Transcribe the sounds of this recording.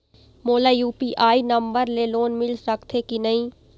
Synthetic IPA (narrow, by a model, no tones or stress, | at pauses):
moːlajuːpiʔaːinɐ̃mbəɾleloːnmɪlsɐkt̪ʰekinɐɦĩ